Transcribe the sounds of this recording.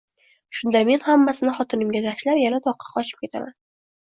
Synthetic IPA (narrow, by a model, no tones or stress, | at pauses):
ʃʊnd̪ame̞nhamːasɪnɪχɒt̪ɪnɪmɡʲat̪ʰaʃlapjanat̪ʰɒqʰːɑ̥qʰɒt͡ʃʰɪ̥p̚kʲe̞t̪ʰaman